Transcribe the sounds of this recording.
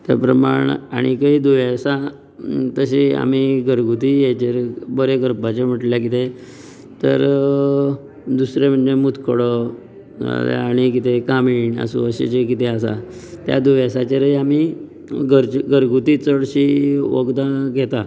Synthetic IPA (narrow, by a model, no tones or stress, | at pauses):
t̪ja̰pɾəmaɳaɽ̃ikaɦiːd̪uʋasa | t̪əɕia̰m̤iɡʱəɾɡut̪ijet͡ɕeɾbəɾeɡəɾpat͡ɕem̤əʈljak̬it̪e | t̪əɾ | d̪usɾem̤əɳːemut̪kʰəɽɔ | a̰lja̰ːɽ̃ikit̪ʰekamiːɳə̰sṵəɕḛt͡ɕekit̪easa̰t̪ja̰d̪uʋasat͡ɕeɾəjami | ɡəɾɡəɾɡut̪iːt͡səɽɕiʋə̰ɡd̪aɡʱet̪a